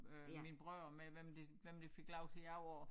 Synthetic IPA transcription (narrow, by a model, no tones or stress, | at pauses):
øminb̥ʁœɐ̰meʋemd̥e̝ʋem̰d̥e̝fe̝ɡ̥lɑ̈ʊt͡sʰe̝jɑɒ